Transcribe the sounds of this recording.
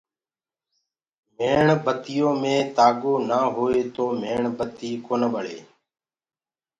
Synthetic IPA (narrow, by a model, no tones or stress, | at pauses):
meːɳbət̪ɪjõːmẽːt̪aːɠoːnaːɦoːeːt̪oːmeːɳbət̪iːkoːnəɓəɽḛː